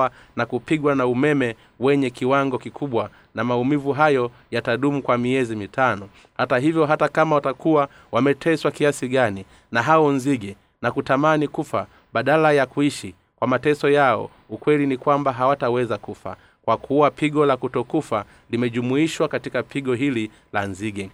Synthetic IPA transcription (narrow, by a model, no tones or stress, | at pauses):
anakupiɡwanaumɛmɛ | wɛɲɛkiwaŋɡɔkikʰuɓwa | namaumivuɦajɔ | jataɗumukwamiɛzimitanɔ | hataɦivjɔɦatakamawatakuwa | wamɛtʰɛswakiasiɡani | naɦaɔnziɡɛ | nakutamanikufa | ɓaɗalajakuiʃi | kwamatɛsɔjaɔ̰ | ukwɛlinikwambaɦawatawɛzakufa̰ | kwakʰuwapiɡɔlakutɔkufa | limɛʄumuiʃwakatikapʰiɡɔɦili | lanziɡɛ